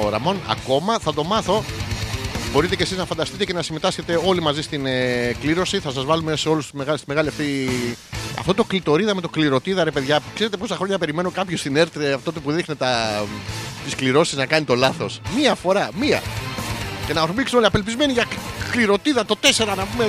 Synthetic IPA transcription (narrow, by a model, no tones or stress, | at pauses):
oɾɐ̰monɐ̰ko̞mɐθɐt̪o̞mɐθo̞ | bo̞ɾit̪e̞ce̞siznɐfɐnd̪ɐst̪it̪ece̞nɐsime̞t̪ɐsçe̞t̪e̞o̞limɐzist̪inkliɾo̞siθɐsɐzvɐlume̞seo̞lust̪umeɣɐlst̪ime̞ɣɐliɐft̪i | ɐ̰ft̪o̞t̪o̞klit̪o̞ɾiðɐme̞t̪o̞kliɾo̞t̪iðɐɾe̞pe̞ðʝɐkseɾet̪e̞po̞sɐxɾoɲɐpeɾime̞no̞kɐpçost̪ine̞ɾt̪iɾeɐfot̪ot̪epuðixnet̪ɐ | t̪iskliɾo̞siznɐkɐnit̪o̞lɐθo̞smiɐfo̞ɾɐmiɐ̰ | ce̞nɐoɾmiksioliɐpe̞lpizme̞niʝɐkliɾo̞t̪iðɐt̪o̞t̪e̞se̞ɾɐnɐpume